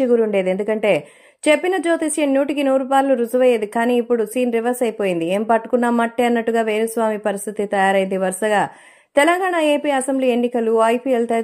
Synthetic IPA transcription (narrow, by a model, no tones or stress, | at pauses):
iɡuɾuɳɖe̞ːd̪e̞nd̪ukɐɳʈe̞ː | t͡ʃe̞pːinɐd͡ʒo̞ːt̪isjɐnjuːʈikinuːɾupaːɾluɾud͡ʒɐʋɐjeːd̪ikaːniːpːuɽusiːnɾiʋɐɾsɐjpo̞ːjind̪ieːmpɐʈːu̥kunːaːmɐʈːeɐnːɐʈːuɡaːʋeːɾusʋaːmipɐɾist̪ʰit̪it̪ɐjaːɾɐjnd̪iʋɐɾʂɐɡaː | t̪ɛlɐŋɡaːɳaeːpiːɐsembliːe̞nːikɐluɐjpielt̪e